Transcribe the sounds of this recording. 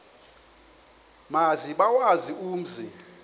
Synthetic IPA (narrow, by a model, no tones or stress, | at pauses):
maziɓawaziuːm̩zi